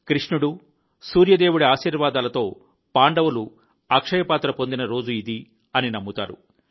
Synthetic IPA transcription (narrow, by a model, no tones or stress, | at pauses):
kɾiʂɳuɽu | suːɾjɐd̪eːwuɽiaːʃiːɾʋaːd̪aːlɐt̪o̞ː | paːɳɖɐwulu | akʂɐjɐpaːt̪ɾɐpo̞nd̪inɐɾo̞ːd͡ʒuid̪i | ɐninɐmːut̪a̰ːɾṵ